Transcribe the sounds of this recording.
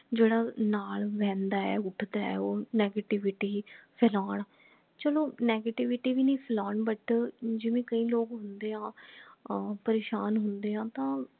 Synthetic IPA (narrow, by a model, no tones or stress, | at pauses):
d͡ʒeːɽaːnaːlʋɛ̃ːnd̪aːɛ̰ːʊʈʰd̪aːɛ̰ːoːnɛːɡeːʈɪʋɪʈiːpʰɛlaːɳ | t͡ʃəloːnɛːɡeːʈiʋɪʈiːʋiːnĩːpʰəlaːɳbəʈd͡ʒɪʋẽːkəĩːloːɡɦʊnd̪eːɦãː | pəɾeːʃaːnɦʊnd̪eːɦãːt̪ãː